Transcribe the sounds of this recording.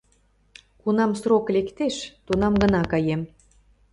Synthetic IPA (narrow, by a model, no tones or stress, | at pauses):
kunɑmsroklekt̪eʃt̪unɑmɡə̆nɑkɑjem